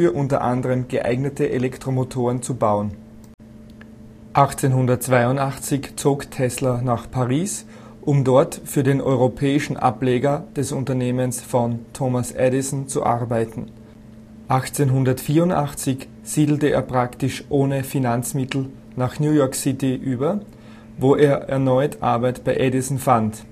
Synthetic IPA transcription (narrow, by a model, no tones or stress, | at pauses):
fyɐʔʊ̃ntɐ̰ʔã̰ndəʁəmɡ̥əʔa̰ɪɡnətəʔelɛktʁ̥omotʰoːʁənt͡subaʊən | ʔaχt͡senɦʊndɐtt͡sv̥aɪʊntaχt͡sɪçt͡soːktʰɛslɐnaχpʰaʁiːs | ʔʊmdɔɐtfyːɐdeːnʔɔ̰ʏʁopʰɛːɪʃn̩ʔa̰pleːɡɐd̥ɛsʊntɐneːmənsfɔntʰomasʔɛɾɪsn̩t͡suʔa̰ʁbaɪtn̩ | ʔaχt͡senɦʊndɐtfiːɐʊntʔa̰χt͡sɪç | z̥iːdl̩təḛːɐpʁ̥aktɪʃʔoːnəfinant͡smɪtl̩ | naːχnjuːjɔɐksɪtɪʔyːbɐ | voːʔeːɐʔɛɐnɔʏtʰʔa̰ɐbaɪtb̥aɪʔɛdɪsn̩fant